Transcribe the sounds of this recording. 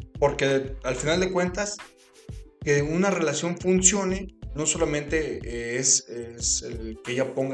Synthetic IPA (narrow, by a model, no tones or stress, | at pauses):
po̞ɾke̞alfinald̪e̞kwe̞nt̪as | keunare̞lasjo̞ɱfunsjo̞neno̞so̞lamẽ̞nt̪e̞eseselkeeʝapo̞ŋɡ